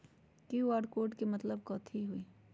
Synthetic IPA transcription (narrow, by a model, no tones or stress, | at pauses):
kiːʋaːɖkoːʈkemɐt̪ləb̚kɔːt̪ʰiɦuiː